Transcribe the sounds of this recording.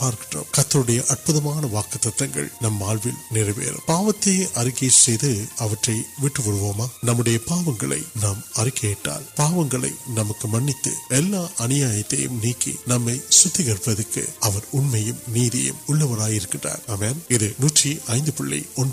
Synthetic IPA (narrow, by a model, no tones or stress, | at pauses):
paːɾkɪɳro̰mkɐt̪ːɐɾɯɽɐjɐʔɐɾpɯðɐmaːnɐʋaːkɐt̪ːɐt̪ːɐŋɡɐ̰ɭnɐmːaːɭʋɪlnɪrɐʋḛːɾɯ̰mpaːʋɐt̪ːeːʔɐɾɪkisɛjðɯɐʋɐʈrɐɪʋɪʈːɯʋɔɽɯʋoːmaːnɐmːɯɽɐjɐpaːʋɐŋɡɐɭɐ̰ɪnaːmɐrɪkeːʈːa̰ːlpaːʋɐŋɡɐɭɐ̰ɪnɐmɐkːɯmɐnːɪt̪ːɯ̰ɛlːaːʔɐnɪjaːjɐt̪ːɐ̰jɯ̰mniːkːḭnɐmːɐɪsʊt̪ːɪɣɐɾpːɐðɯkːɯ̰ɐʋɐɾʊɳmɐjɯmniːðɪ̰jɯ̰mʊɭːɐʋɐɾaːjɪɾɯkːɪndra̰ːɾɐmeːnɪðɯnuːʈriʔɐɪnd̪ɯpɪɭːḭɔn